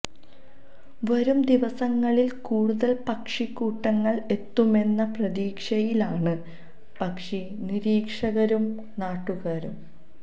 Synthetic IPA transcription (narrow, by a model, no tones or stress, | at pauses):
ʋɐɾumd̪iʋɐsɐŋːɐɭilkuːɽuðɐlpɐkʂikːuːʈːɐŋːɐɭe̞t̪ːume̞nːɐprɐðiːkʂɐjilaːɳɨ | pɐkʂi | niɾiːkʂɐɣɐɾum | naːʈːuɣaːɾum